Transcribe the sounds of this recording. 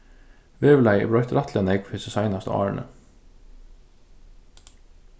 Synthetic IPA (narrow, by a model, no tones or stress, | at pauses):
ʋeːʋlæɪɪ̰bɽɑʏt̪ɾɑt̪ʰlənɛɡ̚pʰhɪsəsɑɪnɑst̪ə̰ɑ̰ːɹɳʔə̰